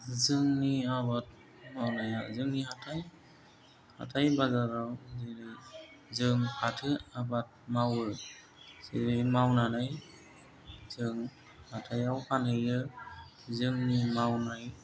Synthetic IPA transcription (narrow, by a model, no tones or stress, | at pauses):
zɯŋniabat̚ | mawnajazɯŋnihatʰaj | ha̰tʰajbazaɾawzeɾɯ | zɯŋpʰatʰɯabat̚mawɯ | z̥eɾɯjmawnanaj | zɯŋ | hatʰajawkʰanɯjɾɯ | zɯŋnimawnaj